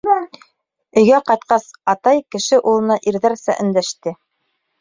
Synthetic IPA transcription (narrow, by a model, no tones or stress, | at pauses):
ɵ̆jɡæqɑjt̪̚qɑsɑt̪ɑjkɘ̆ʃɘʔulˠɤ̆nɑʔiɾðæɾsæ̰ʔɵ̆nd̪æʃt̪ɘ